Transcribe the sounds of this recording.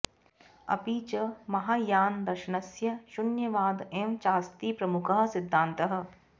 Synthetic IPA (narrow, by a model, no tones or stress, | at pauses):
ɐ̰piːt͡ʃɐmɐɦaːjaːnd̪ɐɾʃɐnɐsjɐʃʊnjɐʋaːd̪emt͡ʃaːst̪iːpɾɐmʊkəɦɐ̆sɪd̪ʱːãːnt̪ɐɦə̆